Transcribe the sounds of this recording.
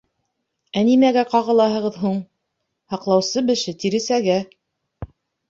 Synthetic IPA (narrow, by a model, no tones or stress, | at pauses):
ænimæɡæqɑʁɤ̆lˠɑɦɤ̆ʁɤðɦuɴ | hɑqlˠɑwsɤbɘ̆ʃɘt̪iɾɘ̆sæɡæ